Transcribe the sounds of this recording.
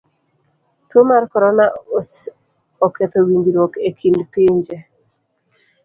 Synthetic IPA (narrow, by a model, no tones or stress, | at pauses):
tomarkɔɾɔnaos | ɔket̪owiɲd͡ʒiɾwokekʰindpiɲd͡ʒe